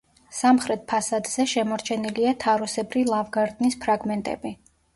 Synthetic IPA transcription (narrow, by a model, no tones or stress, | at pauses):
samχɾɛt̪̚pʰasad̪z̥ɛʃɛmɔɾt͡ʃʰɛniliat̪ʰaɾusɛbɾilˠavɡaɾd̪nispʰɾaɡmɛnt̪ʼɛ̰bi